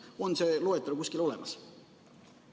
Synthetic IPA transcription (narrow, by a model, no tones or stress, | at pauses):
o̞nseːlo̞et̪ːˑɑɾukuskilo̞le̞̰mɑs